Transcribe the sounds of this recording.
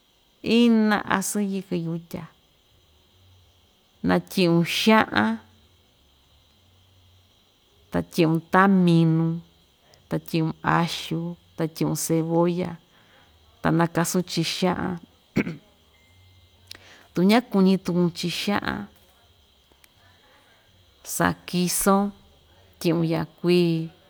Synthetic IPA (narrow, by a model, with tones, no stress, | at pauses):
i˦nã̰˧ʔa̰˧sɨ̃˦ji˧kɨ˧ju˧tʲa˨ | nã˧tʲĩ˧ũ˧ʃã˦ʔã˦ | t̪a˨t̪ʲĩ˧ũ˧t̪a˦mĩ˧nũ˧ | t̪a˨t̪ʲĩ˧ũ˧a˧ʃu˧t̪a˧t̪ʲĩ˧ʔũ˧se˧βo˦ja˧ | t̪a̰˨nã˧ka˧sũ˦t͡ʃi˧ʃã˦ʔã̰˧ | t̪u˨˧ɲã˦ku˧ɲĩ˧t̪u˧ũ˧t͡ʃi˧ʃã̰˦ʔã̰˧ | sa̰˨ki˧sõ˦ | t̪ʲĩ˧ũ˧ja˧˨kʷiː˦